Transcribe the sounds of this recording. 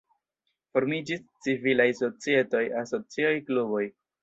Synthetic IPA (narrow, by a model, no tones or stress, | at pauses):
fo̞ɾmid͡ʒist͡sivilajso̞t͡sie̞to̞jaso̞t͡siajklubo̞j